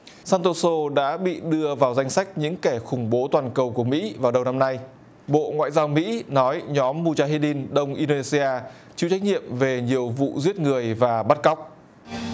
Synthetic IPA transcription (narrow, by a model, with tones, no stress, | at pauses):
saː˧nt̪o˧so˧ɗa̰ː˧˥ɓḭ˧˨ɗɨ˧əvaː˨˩wza˧jŋ̟sa˦˥jk̟̚ɲɨ̰˧˥ŋkɛ˧˩xʊ˧˩ŋ͡mɓo˨˦t̪waː˨˩nkə˨˩wku˧˩əmḭ˧˥vaː˨˩wɗə˨˩wna˧mna˧j | ɓo̰˧˨ŋwa̰ː˧˨jzaː˧wmḭ˧˥nɔ˨˦jɲɔ˨˦mːu˧t͡ɕaː˧ɦi˧li˧nɗə˧wŋ͡mʔi˧ɗo˧e˧si˧ʔaː˧ | t͡ɕḭ˧˨wt͡ɕa˦˥k̚ɲḭ˧˨əmve˨˩ɲi˨˩əwvṵ˧˨zwi˦˥ət̚ŋɨ˨˩əjvaː˨˩ɓa˦˥t̚ka˦˥wk͡p̚